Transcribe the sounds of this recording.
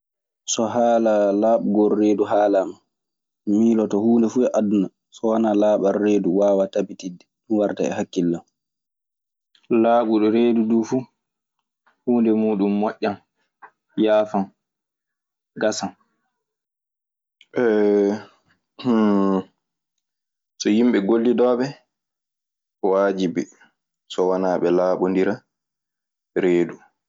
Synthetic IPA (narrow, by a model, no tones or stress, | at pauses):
sɔɦaːlalaːɓuɡɔɾːeːduɦaːlama | miːlɔtɔhuːndɛfuɛʔadna | sɔwanalaːɓaɾːeːduwaːwatabitidːɛɗunwaɾta̰ɛ̰hakːilːam | laːɓuɗɔɾeːdudufuː | huːndɛmuːɗumːɔʔʲːan | jaːfan | ɡasan | ʔɛ | sɔjimɓɛɡolːidɔːɓɛ | waːd͡ʒibɛ | sɔwanaːɓɛlaːɓɔndiɾa | ɾeːdu